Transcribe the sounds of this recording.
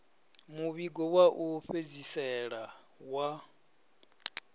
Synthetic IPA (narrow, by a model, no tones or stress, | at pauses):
muβiɡɔwaʔuɸed͡zisɛɺa | wa